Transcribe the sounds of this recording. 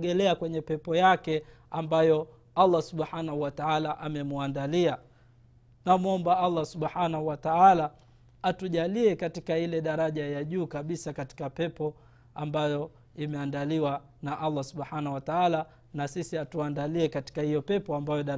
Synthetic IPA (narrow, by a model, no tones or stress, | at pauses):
ɡɛlɛakwɛɲɛpɛpɔjakɛ | ambajɔ | alːasuɓħanahuwataalaʔamɛmuandalia | namuɔmbaalˤːasuɓħanahuwataala | atuʄaliɛkatikailɛɗaɾaʄajaʄuːkaɓisakati̥kapɛpɔ | ambajɔ | imɛandaliwa | naʔalˤːasuɓħanahuwataala | nasisihatuandaliɛkati̥kahijɔpɛpɔambajɔɗa